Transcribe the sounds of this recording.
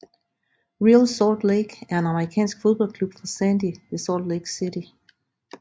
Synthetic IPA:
ʁilsɔːd̥leɡ̥æɐe̝nɑ̈məʁikʰɛ̰ːnsɡ̥fo̝ðˠb̥ɒ̽l̰kʰlub̥fɑ̈sænd̥iʋe̝sɒd̥leɡ̥sidi

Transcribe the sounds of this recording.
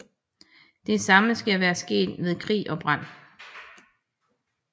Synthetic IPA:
d̥e̝sɑ̈məsɡ̥æʋæːɐsɡ̥e̝̰ːd̥með̞ˠkʰʁḭːʔɒ̽b̥ʁɑn̰

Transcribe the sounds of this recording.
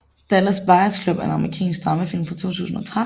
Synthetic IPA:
d̥ælɐsb̥ɑ̈ɪɐskʰlob̥æɐe̝nɑ̈məʁikʰɛ̰ːnsɡ̥̚d̥ʁɑ̈məfil̰mfɑ̈t͡sʰo̝̰ːt͡sʰṵːsn̩ɒ̽t͡sʰʁa

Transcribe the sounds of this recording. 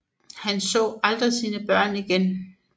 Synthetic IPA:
hænsɔ̰ːɑld̥ʁisiːnəb̥ɶɐ̰niɡ̥en

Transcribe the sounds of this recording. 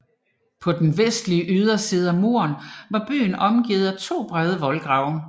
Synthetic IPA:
pʰɒ̽d̥enʋesd̥liəʔyð̞ˠɐsiːð̞̩ˠæmo̝̰ːɐnʋɑ̈b̥y̰ːnɒ̽mɡ̥ið̞̩ˠæt͡sʰo̝̰ːb̥ʁɛð̞ˠəʋɒ̽lɡ̥ʁɑ̈ʊ̰

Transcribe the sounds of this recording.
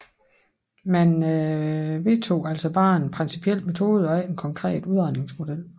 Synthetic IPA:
mæn | ʋe̝t͡sʰo̝̰ːæl̰sɒb̥ɑ̈ːe̝npʰʁɛnsipʰiel̰met͡sʰo̝ːð̞̩ˠɒ̽æenkʰɒ̽ŋkʰʁɛ̰ːd̥uð̞ˠɒne̝ŋsmo̝d̥el̰

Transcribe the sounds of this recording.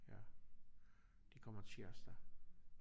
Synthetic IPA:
jæ̰ | d̥ikʰɒm̰ɐt͡sʰeɐsd̥æ

